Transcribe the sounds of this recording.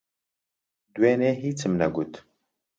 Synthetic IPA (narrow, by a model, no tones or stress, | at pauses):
d̪uweːneːɦiːt͡sʰɨmnɛɡuːt̪